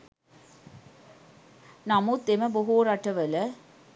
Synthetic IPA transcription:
namut̪ːeməboɦuɾaʈɐʋələ

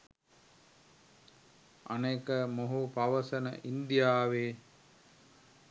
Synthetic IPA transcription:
ɐ̰neːkəmoɦupaʋəsənə̰ʔind̪ijaːʋe

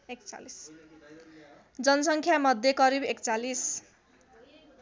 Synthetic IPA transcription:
ek̚t͡sa̰lis | d͡zʌnʌsʌŋkʰjamʌd̪ʱjekʌɾibekt͡salis

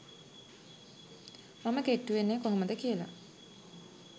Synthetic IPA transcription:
maməkeʈːuʋenːekoɦoməd̪əkijəla̰

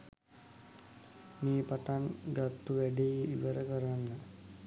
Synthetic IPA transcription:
meːpaʈanɡat̪ːuʋæɖejiʋəɾəkəɾanːə

